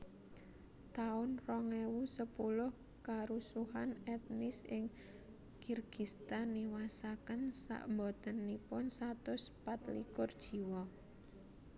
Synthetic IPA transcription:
t̪aʊnrɔŋewusəpulʊh | kaɾusuɦanɛt̪nɪsɪŋ | kirɡ̥ist̪anːiwasakənsa̰ʔmbɔt̪ənːipʊnsat̪ʊspat̪likʊrd̥ʒ̥i̤wɔ

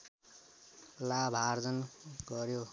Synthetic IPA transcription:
labʱard͡zʌnɡʌɾjo

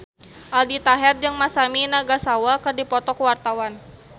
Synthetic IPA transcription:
ʔaldit̪aɦɛrd͡ʒɨŋmasaminaɡasawakɨrdipɔt̪ɔkəwart̪awan

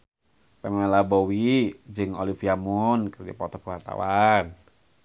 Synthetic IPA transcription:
pɛmɛlabowid͡ʒɨŋo̰lifiamunkɨɾdḭpɔt̪ɔkəwart̪a̰wan

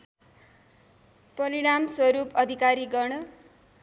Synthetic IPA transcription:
pʌɾiɽ̃amswʌɾupʌd̪ʱikaɾiɡʌrnʌ

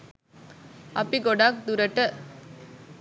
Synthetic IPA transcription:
ɐpːiɡɔɖaːk̚d̪uɾɐʈːɐ

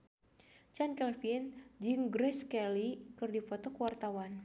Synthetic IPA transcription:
t͡ʃankɛlfind͡ʒɨŋɡɾɛskɛlikɨrdifɔt̪ɔkəwart̪awan

